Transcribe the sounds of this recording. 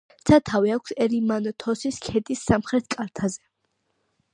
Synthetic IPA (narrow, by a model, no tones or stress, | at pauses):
t̪sʰat̪ʰaviakʷʰsɛɾimanɔt̪ʰɔsiskʰɛd̪isːamχɾɛt̪̚ʰkʼaɾt̪ʰazɛ